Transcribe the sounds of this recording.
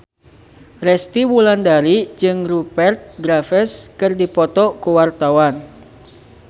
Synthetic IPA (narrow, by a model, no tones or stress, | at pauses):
rɛst̪iwulandaɾid͡ʒɨŋrupɛrt̪̚ɡɾafɛskɨrdipɔt̪ɔkuwart̪awan